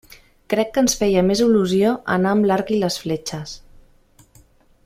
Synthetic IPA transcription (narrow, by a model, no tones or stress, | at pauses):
kɾɛkːənsfɛjəmeziluzioʔə̰naəmlaɾkiləsflet͡ʃəs